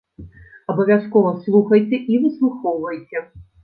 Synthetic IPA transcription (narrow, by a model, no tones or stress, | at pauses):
ɐbɐvʲaskɔvɐslˠuxɐjt͡sʲɛʔivɨslˠuxɔwvɐjt͡sʲɛ